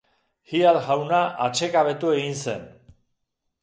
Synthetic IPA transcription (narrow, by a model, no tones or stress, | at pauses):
hiat̪ɣawnaʔat͡ʃe̞kaβe̞t̪ue̞ɣinse̞n